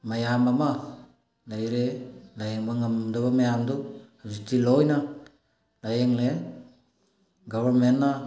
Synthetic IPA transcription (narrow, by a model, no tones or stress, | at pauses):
majambama | lajɾelajeŋbaŋamdaβamajamduazitilojna | lajeŋle | ɡaβaɾmenːa